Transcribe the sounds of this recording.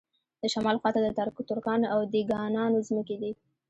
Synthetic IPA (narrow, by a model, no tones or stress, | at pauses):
d̪əʃamɑlxwɑt̪ad̪ət̪aɾkut̪ʊɾkɑnoawd̪iɡɑnɑnozməked̪i